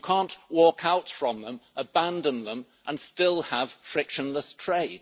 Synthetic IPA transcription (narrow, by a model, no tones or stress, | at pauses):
kʰɑ̃ˑnʔwɔˑkʰaʊtfɹə̃mðə̃məbæ̃ndə̃nðə̃m | ʔə̃nstɪlˠəv̥fɹɪkʃə̃nləstʰɹ̥eɪd̥